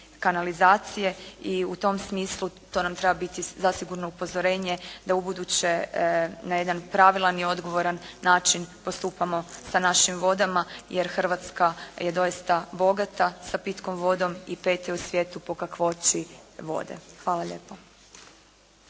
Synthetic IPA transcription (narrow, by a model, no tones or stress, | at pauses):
kanalizaːt̪sije̞iut̪o̞msmiːslˠut̪o̞ːnamt̪ɾebabit̪izasiɡuɾno̞upo̞zo̞ɾe̞ːɲe̞d̪aubud̪ut͡ɕe̞naje̞d̪anpɾaʋilˠanio̞d̪ɡo̞ʋo̞ɾanːaːt͡ʃinpo̞st̪uːpamo̞sanaʃimʋo̞d̪amajeɾxr̩ʋat̪skajed̪o̞jist̪abo̞ɡat̪asapit̪ko̞mʋo̞d̪o̞mipe̞ːt̪eusʋje̞ːt̪upo̞kakʋo̞t͡ɕiʋo̞̰d̪ḛxʋaːlˠaʎe̞ːpo